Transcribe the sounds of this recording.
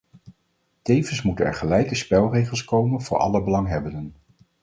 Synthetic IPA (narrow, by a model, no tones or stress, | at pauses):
tejvənsmutənɛ̰ɹχəlɛjkəspɛlˠrejχəlˠskowmənvʊːɹʔɑ̰ləbəlɑŋɦɛbəndən